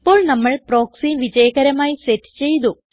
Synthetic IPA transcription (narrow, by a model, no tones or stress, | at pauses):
pːo̞ːɭnɐmːɐɭpɾoːksiʋid͡ʑɐjɐkɐɾɐmaːjiseʈːt͡ɕe̞jt̪u